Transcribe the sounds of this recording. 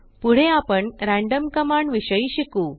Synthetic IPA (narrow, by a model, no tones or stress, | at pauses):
puɽ̤eapəɳɾæ̃ɳɖəmkəmaɳʋiɕəiɕikuː